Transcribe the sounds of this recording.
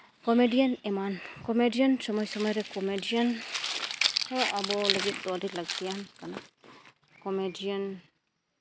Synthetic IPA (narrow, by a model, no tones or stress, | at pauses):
kɔmedianɛmankɔmediənsɔmɔjsɔmɔjɾɛkɔmediən | hɔ̃ʔabɔlaɡit̪̚d̪ɔalilaɡ̚t̪iankana | kɔmedian